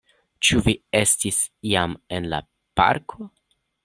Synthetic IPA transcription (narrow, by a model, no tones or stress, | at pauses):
t͡ʃuvie̞stisiame̞nla̰ | pa̰ɾkʰo